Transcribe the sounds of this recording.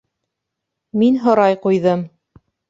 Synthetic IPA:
minɦŏɾɑjqujðɤm

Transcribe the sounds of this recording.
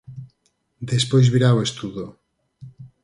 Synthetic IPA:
d̪espojzβiɾawest̪uðo

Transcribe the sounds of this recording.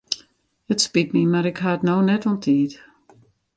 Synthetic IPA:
ətspitmimaɾɪkhaətnownɛtɔntʰiːt

